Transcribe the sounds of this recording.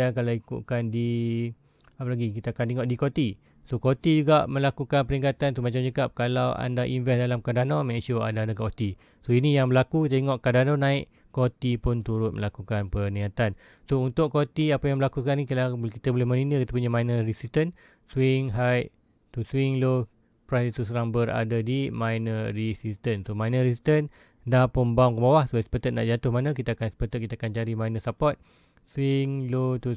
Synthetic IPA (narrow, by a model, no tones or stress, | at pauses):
akalawikṵʔ̚kandi | apalaɡikit̪akant̪eŋɔʔdikot̪i | sokot̪id͡ʒuɡaʔmə̃lakukanpəɾiŋkat̪ant̪umat͡ʃamd͡ʒəkap̚kalawa̰ndaʔinvɛsdalamkadanomɛkʃua̰ndandakot̪i | soinĩjaŋbəlakut̪eeŋɔʔkadanonãɪʔ | kot̪ipʊnt̪uɾʊt̪̚mə̰lakukanpənĩat̪an | sount̪ʊʔkot̪iapəjaŋməlakukanikəlabkit̪əbolɛhməninəkit̪əp̬uɲamajnərisist̪ən | swɪŋɦajʔ | t̪uswɪŋlo | pɾasit̪us̬əɾaŋbəɾa̰dadimajnəɾisist̪ənsomajnəɾisist̪ən | dapəmbaŋkəbawahsospət̪ət̪̚na̰ʔd͡ʒat̪ʊhmanãk̬it̪aakanspət̪ət̪̚kit̪akant͡ʃaɾimajnəsapɔt̪̚ | swɪŋlot̪u